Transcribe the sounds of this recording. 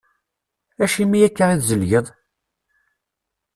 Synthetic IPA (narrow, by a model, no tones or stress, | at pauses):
æʃimijækːaʁiðzəlʝəðˤ